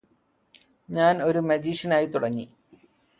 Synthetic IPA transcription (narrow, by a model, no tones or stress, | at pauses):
ɲaːno̞ɾumɐd͡ʑiːʂɐnaːjit̪uɽɐɲːi